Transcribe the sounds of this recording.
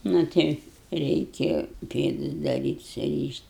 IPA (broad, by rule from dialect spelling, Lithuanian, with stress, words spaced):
nʊ ˈtɐɪ rʲɛɪˈkʲeːjoː ˈpʲeːdʊs dɐˈrʲiːtʲ sʊrʲiːʃʲtʲ